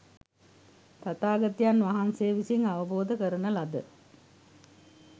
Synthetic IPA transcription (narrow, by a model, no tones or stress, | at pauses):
t̪at̪aːɡɐt̪janʋaɦanseːʋisiŋaʋəboːd̪əkəɾənəlad̪ə